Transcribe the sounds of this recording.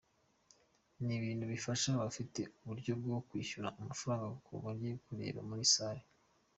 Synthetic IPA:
niβiːn̥huβifaʃaβafite̞uβuɾɟo̞b̚ɡo̞kwiːçuɾaʔumafaɾaːŋɡaɡukṵɡaɾjekuɾe̞̰ːβa̰muɾisaːɾe

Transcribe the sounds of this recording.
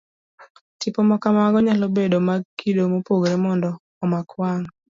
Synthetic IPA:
tipɔmɔkamaɡɔɲalobedomaɡkidomopoɡɾemɔndɔːmakwaŋ

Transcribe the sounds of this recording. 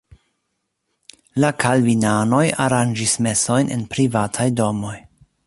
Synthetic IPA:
lakʰalvinano̞jaɾand͡ʒisme̞so̞jnʔḛnpɾivatʰajdo̞mo̞j

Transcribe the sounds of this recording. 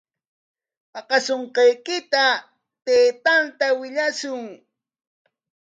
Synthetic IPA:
pɑqɑsoɴqɑjkɪt̪a | t̪eːt̪ant̪awɪʎasʊŋ

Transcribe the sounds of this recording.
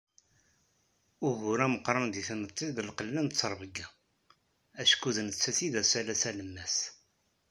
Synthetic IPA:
ʊʝʊɾæməqːɾˤɑnd̪iθnət̪ˤːiðəlqəlːənt͡sːəɾˤvəɡa | æʃkuðnət͡sːæθiðæsælæsæləmːæs

